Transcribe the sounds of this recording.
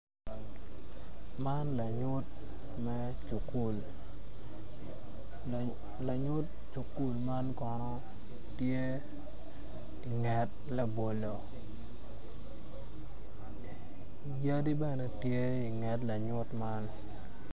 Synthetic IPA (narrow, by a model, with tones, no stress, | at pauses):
ma˦nla˨ɲʊ˦t̚ | mɛ˦ | t͡ʃu˨ku˦˨l | la˨ɲʊ˦t̚ | t͡ʃu˨ku˦lma˦nkɔ˨nɔ˦ | tje˦ | i˨ŋɛ˨t̚ | la˨bo˨lo˨ | ja˦di˦bɛ˦nɛ˨tje˦i˨ŋɛ˨tla˨ɲʊ˦tma˦n